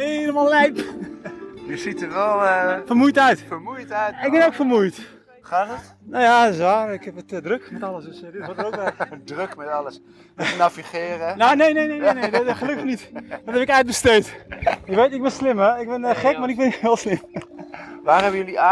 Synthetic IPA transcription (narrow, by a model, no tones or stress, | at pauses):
eləmalˠlɛjp | jəsitəʋɛlˠfərmujtœɥtfəmujtœɪk̚bɛnowkfərmujt | χaːdət | noːjaɪsʋaːrɪkhɛpətdrøkmɛtɑləsdøsdɪtɔrtəowtkdrøkmɛtɑləs | naviχɪːrənonejnejnejnejnejdɔχəløkənitdɔtɦɛpɪkɛɥt̚bəstejtɪkʋetɪkbɪnslɪmɛɪk̚bɪnəχɛkmarɪk̚bɪnhɪːlˠslɪm | ʋaːrɦɛbəjəlia